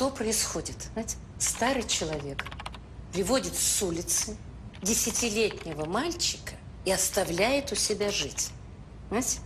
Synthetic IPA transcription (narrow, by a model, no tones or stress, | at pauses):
t̪o̞pɾəɪsxo̞dʲɪt̪natʲ | st̪aɾɨjt͡ɕɪlˠɐvʲe̞k | pɾʲɪvo̞dʲɪt̪fsulʲɪt̪sɨ | dʲɪsʲɪtʲɪlʲetʲnʲɪvəmalʲt͡ɕɪ̥kə | iɐst̪ɐvlʲæjɪt̪ʊsʲɪbʲaʐɨtʲ | znatʲ